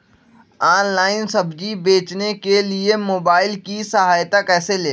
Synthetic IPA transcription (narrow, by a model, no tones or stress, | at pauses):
aːnlaːɪnsɐbd͡ʒibeːt͡ʃnekeliemoːbaːɪlkisɐɦaːjt̪akɛːseleː